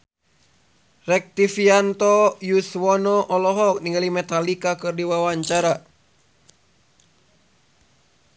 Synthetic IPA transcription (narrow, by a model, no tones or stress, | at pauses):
rɛk̚t̪ifiant̪ɔjuswɔnɔʔɔlɔɦɔk̚niŋɡalimɛt̪alikakɨrdiwawaɲt͡ʃaɾa